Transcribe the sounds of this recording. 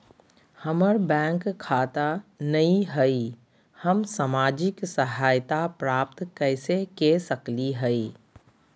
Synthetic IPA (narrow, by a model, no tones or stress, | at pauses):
həməɾbɛ̃ːŋkkʰːaːt̪anɐĩɦɛi | həmsamaːd͡ʒɪksɐɦaːjt̪apɾaːp̚t̪kɛɪsekesəkliɦɛiː